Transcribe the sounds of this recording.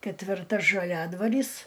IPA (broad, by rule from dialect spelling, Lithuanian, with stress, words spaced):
kʲɛtʲʋʲɪrˈtɐ ʒɐˈlʲæːdʋɐrʲiːs